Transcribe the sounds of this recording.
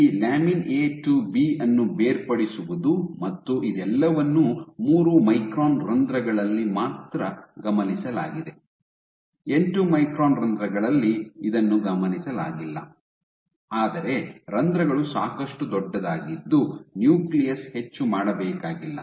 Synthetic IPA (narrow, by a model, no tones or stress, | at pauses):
iːlaːmineːʈubiːɐnːubeːɾpɐɽisuʋud̪umɐt̪ːuʔid̪ɛlːɐʋɐnːumuːɾumɐjkɾoːnɾɐnd̪ɾɐɡɐɭɐlːimaːt̪ɾɐɡɐmɐnisɐla̰ːɡid̪e̞ | e̞ɳʈumɐjkɾoːnɾɐnd̪ɾɐɡɐɭɐlːiid̪ɐnːuɡɐmɐnisɐla̰ːɡilːɐ̰ | aːd̪ɐɾe̞ɾɐnd̪ɾɐɡɐɭusaːkɐʂʈud̪ɔɖːɐd̪aːɡid̪ːunjuːklijɐshe̞t͡ʃːumaːɽɐbɛːkaːɡilːɐ̰